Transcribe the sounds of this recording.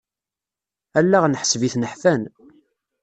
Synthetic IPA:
ælːæʁnəħsviθnəħfæn

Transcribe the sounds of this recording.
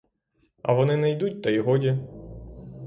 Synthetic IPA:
ɐ̰ʋɔnɪnɛjd̪ut̚ʲt̪ɐiɦɔdʲi

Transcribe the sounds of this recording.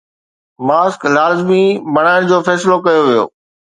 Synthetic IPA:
maːsklaːzmibɐɽ̃aːɪñd͡ʑoːfɛːslokɐjoʋijo̰ː

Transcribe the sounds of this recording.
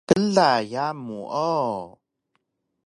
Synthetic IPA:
kəlajamuʔɔ

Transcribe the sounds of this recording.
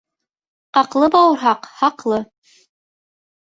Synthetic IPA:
qɑqlˠɤbɑwɤ̆ɾɦɑqhɑqlˠɤ

